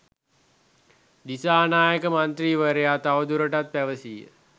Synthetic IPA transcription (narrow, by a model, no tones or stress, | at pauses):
d̪isaːnaːjəkəmant̪ɾiːʋəɾəjaːt̪aʋəd̪uɾəʈat̪̚pæʋəsiːə̰